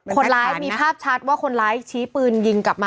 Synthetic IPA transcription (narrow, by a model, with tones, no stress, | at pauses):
kʰo˧nɾaː˦˧˥jmiː˧pʰaː˥˩p̚t͡ɕʰa˦˥t̪̚waː˥˩kʰo˧nɾaː˦˥jt͡ɕʰiː˦˥pɯː˧nji˧ŋkla˨˩p̚maː˧